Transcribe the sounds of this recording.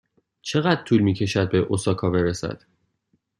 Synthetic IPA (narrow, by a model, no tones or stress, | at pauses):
t͡ʃʰe̞ɣæd̪̚t̪ʰuːlmiːcʰe̞ʃæd̪̚be̞ʔosɒkʰɒːbe̞ɾesæ̰d̪̥